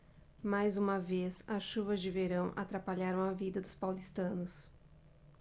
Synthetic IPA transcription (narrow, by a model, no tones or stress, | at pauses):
majzũmɐvesɐsʃuvɐzd͡ʒɪveɾɐ̃w̃ʔa̰t̪ɾapaʎaɾɐ̃w̃ɐvid̪ɐd̪ʊspawlist̪ɐ̃nʊs